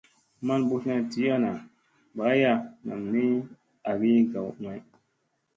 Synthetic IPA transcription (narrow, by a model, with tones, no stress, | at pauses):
ma˦nbu˦sna˦ti˨˦a˦na˨ | ba˨˦ja˦na̰˨mni˦ | a˨ɡi˦ɡa˨wŋa˨j